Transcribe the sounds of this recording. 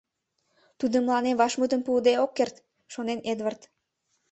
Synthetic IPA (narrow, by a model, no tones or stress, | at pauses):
t̪ud̪əmlˠɑnevɑʃmut̪əmpud̪eokːert̪ | ʃonened̪vərt̪